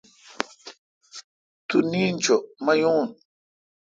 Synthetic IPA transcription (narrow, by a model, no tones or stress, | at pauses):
t̪unĩnt͡ʃomajũn